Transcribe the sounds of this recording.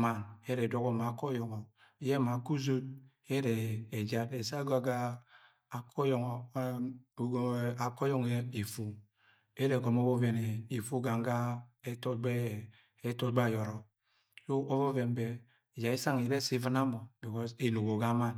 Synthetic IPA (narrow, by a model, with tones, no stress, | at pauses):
ma˨ne˦ɾɛ˨dɔ˦ɡɔ˨ma˨kɔ˦jɔ˨ŋɔ˨˦ | jɛ˦ma˨ku˦zo˦d̚ | ɛ˦ɾɛː˨d͡ʒa˦te˨sa˦ɡa˨ɡa˦ | a˨kʰɔ˦jɔ˨ŋɔ˨˦˨ | ɡa˨kɔ˦jɔ˦ŋɛ˦i˨fu˨ | e˦ɾɛ˨ɡɔ˨mo˦βɔ˦vɛ˨nɛ˨i˨fu˦ɡa˨ŋɡa˦e˦tɔ˦ɡ͡bɛ˦ | e˦tɔ˦ɡ͡ba˦˨jɔ˨ɾɔ˨ | so˦ʔo˦vɔ˦vɛ˨nbɛ˨ | d͡ʒa˨i˦sa˦ŋi˨ɾɛ˦si˦vi˦na˦mɔ˨bi˨kɔ˦se˨no˨ɡo˨ɡa˦ma˦˨n